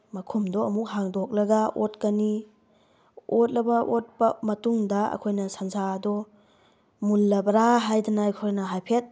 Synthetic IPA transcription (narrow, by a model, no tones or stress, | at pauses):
mɐkʰumdɔɐmuk̚haŋdɔk̚lɐɡɐʔot̚kɐni | ot̚lɐbɐʔot̚pɐmɐtuŋdɐɐ̰kʰojnɐsanzadɔ | mulːɐbɐɾaɦajdɐnajkʰojnɐɦajpʰet̚